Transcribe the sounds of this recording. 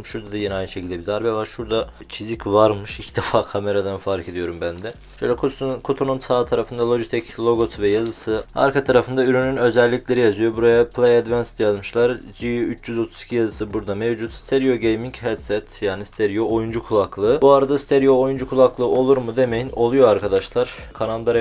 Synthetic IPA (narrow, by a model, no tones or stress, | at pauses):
ʃuɾd̪ad̪ajeniajnɯʃecʰilʲd̪ɛbid̪aɾbɛvaɾʃuɾd̪at͡ʃʰizicvaɾmɯʃicʰd̪ɛfaːkʰame̞ɾad̪anfaɾkʰe̞d̪ijo̞ɾumbænd̪ɛ | ʃøjlʲɛkʰokʰot̪ʰonunsʰaːt̪ʰaɾafɯnd̪alˠo̞d͡ʒit̪ʰɛclˠo̞ɡot̪ʰvɛjazɯsɯa̰ɾkʰat̪ʰaɾafɯnd̪ayɾynynø̞zɛlʲːicʲlʲe̞ɾijazɯjobuɾajapʰlˠejad̪vænsd̪jazmɯʃlˠaɾd͡ʒiyt͡ʃʰjyzo̞t̪ʰuz̥i̥cʰijazɯsɯbuɾd̪amevd͡ʒut̪si̥t̪ʰeɾijo̞ɟejmiŋchɛt̪sɛt̪jaːnisi̥t̪ʰeɾijoojund͡ʒukʰulˠaklˠɯːbuaɾad̪asit̪ʰeɾijo̞ojund͡ʒukʰulˠaklˠɯːo̞lˠuɾmud̪e̞mejino̞lˠujo̞aɾkʰad̪aʃlˠaɾ̥ | kʰananb̪aɾ